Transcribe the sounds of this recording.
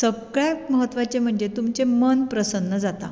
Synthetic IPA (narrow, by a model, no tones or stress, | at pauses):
səɡɭjaməɦət̪ːʋat͡ɕem̤əɳd͡zet̪umt͡ɕemənpɾəsənːəd͡zat̪a̰